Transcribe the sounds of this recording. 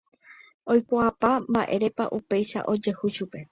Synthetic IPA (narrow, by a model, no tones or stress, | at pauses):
ojpoapambaʔe̞ɾe̞paʔupe̞jʃa̰ʔo̞d͡ʒe̞huʃupe̞